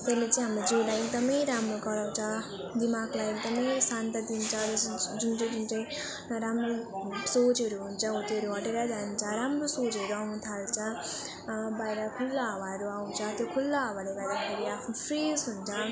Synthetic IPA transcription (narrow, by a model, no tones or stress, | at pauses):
t̪ʌlet͡saĩɦamɾod͡ziwlajek̚d̪ʌmʌjɾamɾoɡʌɾaw̃t͡sʰʌ | d̪imaɡlajek̚d̪ʌmʌjsant̪ad̪int͡sʰʌd͡zʌd͡zunt͡sʌd͡zunt͡saĩ | ɾamɾosot͡sʌɾuɦunt͡sʰʌut̪iʌɾuʌʈeɾad͡zant͡sʰʌɾamrosod͡zɦʌɾuawnut̪ʰaɾt͡sʰʌ | bajɾakʰulːabʱaɾuaw̃nt͡sʰʌt̪jokʰulːabʱʌneɡʌjd̪akʰeɾiapʰnupʰresɦunt͡sʰʌ